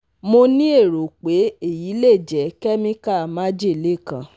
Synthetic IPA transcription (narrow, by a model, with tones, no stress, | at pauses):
mo˧nĩ˦e˦˨ɾo˨k͡pe˨˦e˦˨ji˨˦le˦˨d͡ʒɛ˨˦kɛ˦mĩ˦ka˦˨mã˦d͡ʒe˦˨le˦˨kã˨